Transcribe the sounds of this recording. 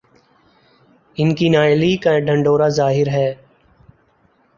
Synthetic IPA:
ɪnkiːnaːɪliːkãɖʱəɳɖoːɾaːzaːɦɪɾɦɛː

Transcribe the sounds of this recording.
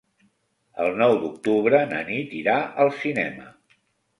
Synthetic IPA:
əlˠnɔwd̪uk̚t̪uβ̞ɾənə̰nit̪iɾaʔəlˠsinɛmə̰

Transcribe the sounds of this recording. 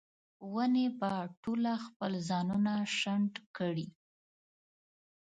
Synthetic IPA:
wənebaʈolaxpəlzɑnunaʃaɳɖkəɽi

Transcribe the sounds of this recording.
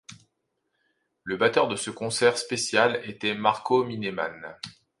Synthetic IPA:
ləbat̪œʁd̪əsəkɔ̃sɛʁspesjalet̪ɛmaʁkʰominema̰n

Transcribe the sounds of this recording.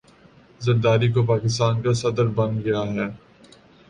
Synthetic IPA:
zɐɾd̪aːɾik̬op̬aːkɪst̪aːnkasɐd̪əɾbɐ̃nɡɐjaɦɛː

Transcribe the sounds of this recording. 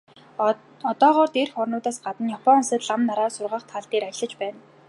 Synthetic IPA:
ɔt̪ɔːʁɔːrt̪erxɔrnʊːt̪aːsɢat̪ə̆njɔpʰɔnsə̆t̪ɮamnaɾaːsʊrʁaːχt̪ʰaɮt̪eːɾajɮə̆t͡ɕpæːn

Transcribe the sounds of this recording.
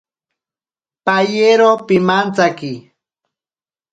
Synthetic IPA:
pajeɾopɪmant͡sakɪ

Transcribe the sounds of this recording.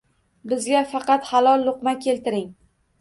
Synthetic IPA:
bɪzɡʲafɑqɑt̪halˠɒlˠːʊqmakʲʰe̞lt̪ɪɾɪŋ

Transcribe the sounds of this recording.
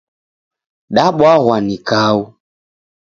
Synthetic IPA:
ɗaɓwaɣwanikau

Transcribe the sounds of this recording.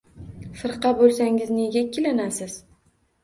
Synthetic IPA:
fɨɾqʰɑbolˠsaŋɪzne̞ɡʲakʲʰːɪlɪnasɪz̥

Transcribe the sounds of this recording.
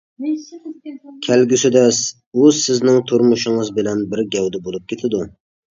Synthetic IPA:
kʲʰælɡʲysɪd̪ɛs | usɪznɪŋt̪ʰʊɾmʊʃɪŋɨzbɪlɛnbɪɾɡʲɛwd̪ɛbolˠup̚kʲʰet̪ʰɪd̪u

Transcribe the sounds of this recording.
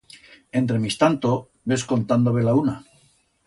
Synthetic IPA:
e̞nt̪ɾe̞mist̪ant̪o | be̞sko̞nt̪and̪oβe̞launa

